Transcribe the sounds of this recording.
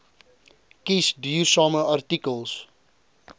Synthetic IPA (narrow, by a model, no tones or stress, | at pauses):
kisdyːrsɑːməʔartikəlˠs